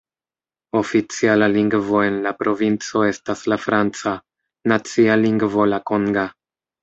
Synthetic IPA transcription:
o̞fit͡sialaliŋɡvo̞e̞nlapɾo̞vint͡so̞e̞staslafɾant͡sa | nat͡sialiŋɡvo̞lakoŋɡa

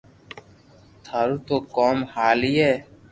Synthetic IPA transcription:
t̪ʰaːɾuːt̪oːkɔːmhaːlieː

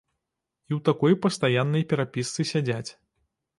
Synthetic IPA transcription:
iwt̪akɔjpɐst̪ajanːɐjpʲɛɾapʲist̪sɨsʲad͡zʲat͡sʲ

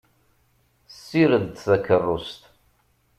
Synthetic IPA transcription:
sːiɾənd̪θækːərˤːʊst̪

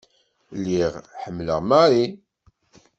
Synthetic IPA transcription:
lːiʁħəmːlə̰ʁmaɾi

